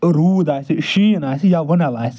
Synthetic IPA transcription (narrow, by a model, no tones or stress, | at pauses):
ɾuːd̪asiʃinasijaʋonaʋas